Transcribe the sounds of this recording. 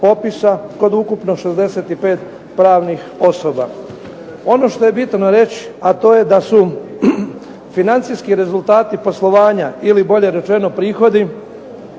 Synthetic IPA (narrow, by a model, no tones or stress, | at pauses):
po̞pisako̞d̪ukupno̞ʃezd̪eset̪ipe̞ːt̪ | pɾaːʋnixo̞so̞ba | o̞no̞ʃt̪o̞je̞bit̪no̞ɾe̞t͡ɕi̥at̪o̞ːje̞d̪asu | finant̪sijskiɾe̞zult̪aːt̪ipo̞slˠo̞ʋaːɲailibo̞ʎe̞ɾe̞t͡ʃe̞no̞pɾiːxo̞d̪i